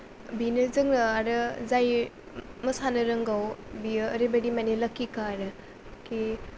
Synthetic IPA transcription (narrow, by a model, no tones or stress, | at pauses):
binɯzɯŋnaɾɯzaj | məsanɯɾəŋɡawbiəːɾebeɽimaneləkikaːɾɯ | ki